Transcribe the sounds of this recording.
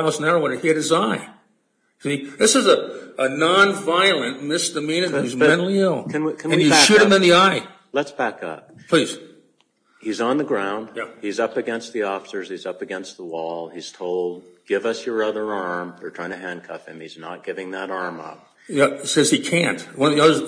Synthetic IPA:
snaɹwʌ̃nɨhiɨɾ̚ɨzaɪ | siðɪsɨzəənɑ̃nvaɪl̩ˠɨ̃nmɪsd̥ɨmĩnɨ̃nhʉzmɛ̃ntl̩ˠiɪlˠɨ̃nwikʰɨ̃nɨ̃ijɨʃʉɾɨ̃mɨ̃nðiaɪ | lətsb̥ækʌ̰p̚pʰl̥iz̥ | hizn̩ðɨɡɹãʊ̃nd̥̚jæizʌpɨɡɛ̃nst̪̚ðiɔfə̥sə˞z̥izʌpɨɡɛ̃nst̪̚ðəwɔlˠiz̥tʰoʊlˠd̚ɡ̥ɪvʌsjə˞ʌðə˞ɑɹmðə˞tʰɹ̥aɪɪ̃ŋtʰɨɦæ̃nkʰʌfhɨ̰̃miznə̰t̚ɡ̥ɪvɪ̃ŋðəɾɑɹmʌ̰p̚ | jæsɛz̥ikʰæ̃ntwʌ̃nʌvðiʌðə˞z

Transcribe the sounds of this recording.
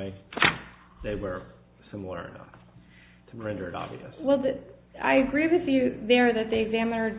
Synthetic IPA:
ɪ | ðeɪwə˞ | sɪ̃ml̩ˠə̰˞ɨ̰nʌ̰f | tʰəɹɛ̃ndə˞ɨɾɑ̰bvḭɨ̰swɛlˠðɨa̰ɪɨɡɹiwɨðjɨðə˞ðɨt̪̚ðeɪɨɡzæmənə˞

